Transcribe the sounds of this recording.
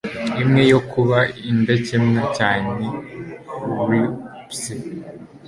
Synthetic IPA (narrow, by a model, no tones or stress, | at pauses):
imŋe̞jokʰuβaindecemɲacaːne | wipse